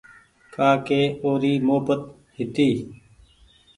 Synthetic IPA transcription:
kʰaːkeːoːɾiːmoːpət̪ | hɪt̪iː

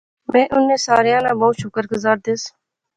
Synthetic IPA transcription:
mẽːʔʊnːẽːsaːɾejãːnãːboːut̪ʃʊkəɾɡʊzaːɾd̪eːs

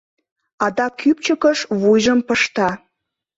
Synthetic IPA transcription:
ɑd̪ɑkyp̚t͡ɕəkəʃβujʒəmpəʃt̪ɑ

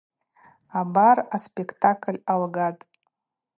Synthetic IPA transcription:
abaraspʼekʰtʰakʼlʲalɡatʼ

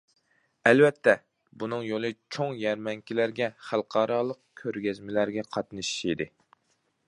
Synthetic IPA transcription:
ɛlvɛt̪ʰːɛ | bunɨŋjolˠɨt͡ʃʰoŋjæɾmɛŋkʲilæɾɡʲɛχælˠqʰɑːɾɑːlˠəq̚kʲʰøɾɡʲɛzmɪlæɾɡʲɛqʰɑt̪nɨʃi̥ʃid̪ɪ

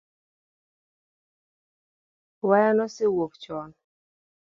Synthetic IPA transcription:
wajanɔsɪwopt͡ʃɔn

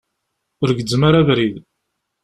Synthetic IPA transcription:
ʊɾɡəd͡zːmaɾævɾið

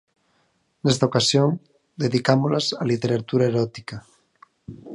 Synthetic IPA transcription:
nest̪aokasjoŋ | d̪eðikamolasalit̪eɾat̪uɾaeɾɔt̪ika

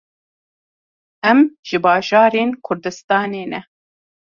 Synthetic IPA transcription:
ɛmʒ̥ɨbɑːʒɑːɾeːnkʰʊɾd̪ɨst̪ɑːneːnɛ

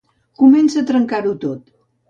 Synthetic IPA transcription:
kumɛnsət̪ɾəŋkaɾut̪ot̪

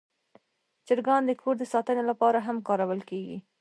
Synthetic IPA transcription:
t͡ʃəɾɡɑnd̪əkʰoɾd̪əsɑt̪ənelapɑɾaɦamkɑɾawəlkeɡḭ

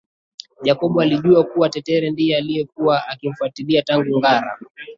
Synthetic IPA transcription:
ʄakɔɓualiʄuakuwatɛtɛɾɛndijɛalijɛkuwaakim̩fuatiliataŋɡuŋɡaɾa̰

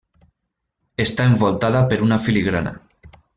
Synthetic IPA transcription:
est̪aeɱbolˠt̪aðapeɾunafiliɣɾana̰

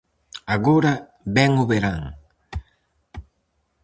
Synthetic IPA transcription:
aɣoɾa | bɛŋoβeɾaŋ

